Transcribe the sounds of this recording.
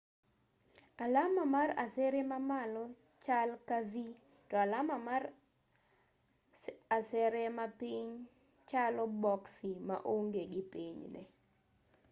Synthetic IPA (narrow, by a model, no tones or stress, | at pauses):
alamamara̰sɛɾɛmamalɔ | t͡ʃalkavi | tɔalamamar | asɛɾemapiɲ | t͡ʃalɔbɔksima̰ʔoŋɡeɡɪpiɲnɛ̰